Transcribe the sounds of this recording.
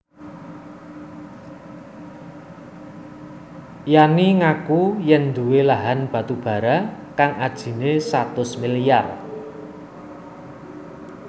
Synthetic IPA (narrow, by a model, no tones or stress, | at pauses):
janiŋakujɛnd̪uwelaɦanb̥ä̤t̪ub̥a̤ɾakaŋad̥ʒ̥i̤nesat̪ʊsmilijar